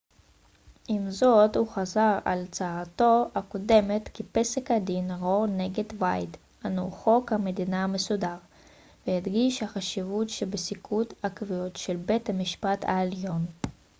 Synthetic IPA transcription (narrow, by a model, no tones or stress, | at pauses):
ʔimzo̞t̪huχazaʁa̰lt͡saat̪o̞akode̞met̪kipesekhad̪inʁo̞ʁneɡed̪vajd̪ | hanoχo̞khame̞d̪inaamesudaʁ | veid̪ɡiʃhaχaʃivutʃebesikʰut̪hakvijo̞t̪ʃelbe̞thamiʃpatʰa̰eljo̞n